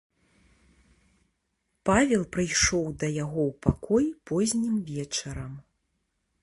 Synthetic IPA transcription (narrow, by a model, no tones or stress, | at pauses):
pavʲɛlˠpɾɨjʂɔwd̪ɐjaɣɔwpakɔjpɔzʲnʲimvʲɛt͡ʂɐɾɐm